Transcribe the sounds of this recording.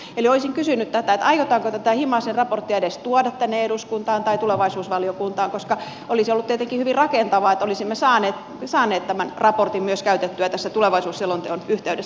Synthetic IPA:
elioisiŋkysynyt̪t̪æt̪æet̪ɑijot̪ɑːŋkot̪æt̪æhimɑsenrɑport̪ːiɑedest̪uodɑt̪t̪ænːeeduskunt̪ɑːnt̪ɑit̪uleʋɑisuːsʋɑliokunt̪ɑːŋkoskɑ | ʔolisiolːut̪t̪iet̪eŋkihyʋirrɑkent̪ɑʋɑːet̪ːolisimːesɑːneːt̪ | sɑːnˑeːt̪t̪æmænrɑport̪immyøskæyt̪et̪ːyæt̪æsːæt̪uleʋɑisuːssilːont̪eonyht̪eyɾes

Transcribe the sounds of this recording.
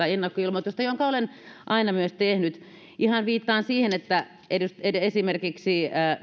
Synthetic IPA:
ɑenːɑkːoilmot̪ːuost̪ɑjoŋkɑolenʔɑinɑmyøst̪ehnyt̪ | ʔihɑnʋiːt̪ːɑːnsiːhenet̪ːæ | ʔeduseesimerkiksiəː

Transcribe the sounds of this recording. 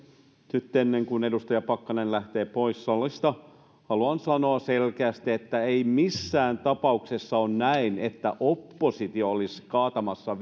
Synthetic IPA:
nyt̪ːenːeŋkunedust̪ɑjɑpɑkːɑnenlæht̪eːpoisːɑlːˑist̪ɑ | hɑluɑnsɑno̞ɑselkeæst̪iet̪ːæeimisːæːnt̪ɑpɑuksesːɑonnæinet̪ːæ̰ʔopːosit̪iooliskɑːt̪ɑmɑsːɑ

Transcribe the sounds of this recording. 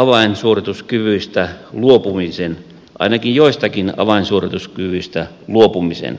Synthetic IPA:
ɑʋɑinsuorit̪uskyʋyist̪æluopumisen | ʔɑ̰inɑkijjoist̪ɑkinɑ̰ʋɑinsuorit̪uskyʋyist̪æ | luopumisḛn

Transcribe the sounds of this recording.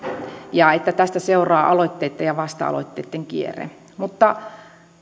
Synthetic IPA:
jɑet̪ːæt̪æst̪æseurɑːʔɑloit̪ːeit̪ːɑjɑʋɑst̪ɑ̰ɑ̰lo̰it̪ːḛːt̪ːeŋkiḛrḛ | mut̪ːɑ

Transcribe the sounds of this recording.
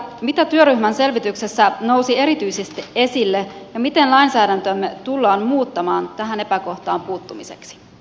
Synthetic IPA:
mit̪æt̪yøɾyçmænse̞lʋit̪yksesːæno̞wsie̞ɾit̪yjsest̪ie̞silːe̞jɑmit̪enlɑinsæːdænt̪ømːe̞t̪ulːɑːnmuːt̪ːɑmɑːnt̪æɦæne̞pæko̞ht̪ɑːmpuːt̪ːumise̞̰ksi̥

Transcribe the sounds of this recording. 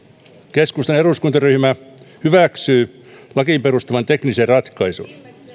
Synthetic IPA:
keskust̪ɑneruˑskunt̪ɑryhmæhyʋæˑksyː | lɑkiˑpeɾust̪ɑʋɑnt̪ekniserrɑt̪kɑisṵn

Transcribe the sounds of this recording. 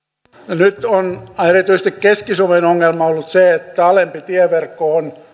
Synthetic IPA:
nyt̪onerit̪yis̆t̪ikkeskisuomenoŋːelmɑolːut̪seet̪ːæɑlempit̪iɛʋerkːoon

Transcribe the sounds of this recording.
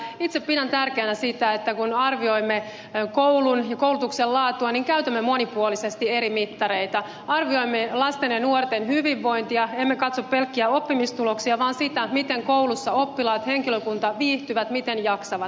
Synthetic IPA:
it̪seppidænt̪ærkeːnæsit̪æet̪ːækunɑrʋio̞imːe | kowlunjɑkowlut̪uksellɑːt̪uɑniŋkæyt̪æmːemo̞nipuolisest̪ieɾimit̪ːɑɾeit̪ɑ | ɑrʋio̞imːelɑst̪enɑnuort̪enɦhyʋiʋːo̞jnt̪iɑemːekɑt̪soppelkːiæo̞pːimist̪uloksiɑʋɑːnsit̪æmit̪eŋkowlusːɑopːilɑːt̪he̞ŋkiløkunt̪ɑʋiːht̪yʋæt̪mit̪enjɑksɑʋɑt̪

